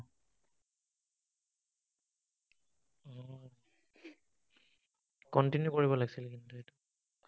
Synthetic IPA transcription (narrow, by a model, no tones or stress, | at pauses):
ɔ | kɔntinjukoɹibɔlaɡsilkintuetu